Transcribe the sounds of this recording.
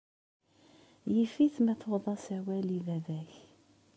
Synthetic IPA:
jifiθmæθoðˤɑsæwælivævæç

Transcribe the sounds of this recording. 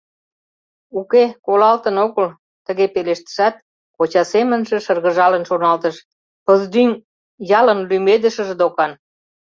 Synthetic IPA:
ukekolɑlt̪ənoɣəl | t̪ə̆ɣepeleʃt̪ə̥ʃæt̪̚ | kot͡ɕɑsemənʒĕʃərɣə̆ʒɑlənʃonɑlt̪əʃ | pəzd̪yn | jɑlənlymed̪əʃə̆ʒed̪okɑn

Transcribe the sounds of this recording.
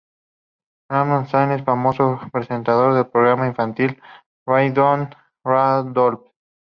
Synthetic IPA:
ɾamansajnesfamosopɾese̞nt̪að̞o̞ɾðe̞lpɾoɣɾamaiɱfant̪il | rajd̪on | rad̪olf

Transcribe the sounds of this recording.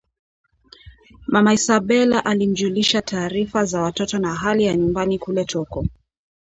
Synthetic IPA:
mamaisaɓɛlaʔalim̩d͡ʒuliʃatʰaːɾifazawatɔtɔnaɦalijaɲumbanikulɛtʰɔkɔ

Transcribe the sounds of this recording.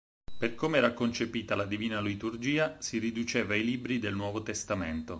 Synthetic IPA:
perkomeɛːɾakont͡ʃepiːt̪alad̪iviːnalit̪urd͡ʒiːasirid̪ut͡ʃeːvajliːbɾid̪elnwɔːvot̪est̪ament̪o

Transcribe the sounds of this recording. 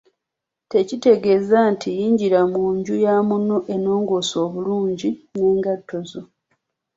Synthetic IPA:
te̞cite̞ɡe̞zantʰijiːɲɟiɾamuːɲɟujamunoʔe̞no̞ːŋɡoːso̞ːβuluːɲɟine̞ːŋɡatːo̞zo̞

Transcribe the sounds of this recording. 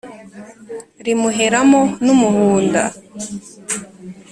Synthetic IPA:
ɾimuɦeɾamonumuɦuːnda̰

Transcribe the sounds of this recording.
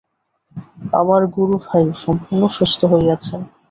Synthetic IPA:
a̰maɾɡuɾubʱajuʃɔmpuɾnoʃɾeʃt̪ʰoɦoeɡat͡ɕʰe

